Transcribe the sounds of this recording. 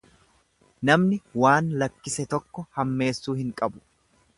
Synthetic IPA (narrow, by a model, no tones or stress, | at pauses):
nɐmnɪwaːnlɐkːɪsɛt̪ɔkːɔhɐmːe̞ːsːuːhɪŋkʼɐbʊ̥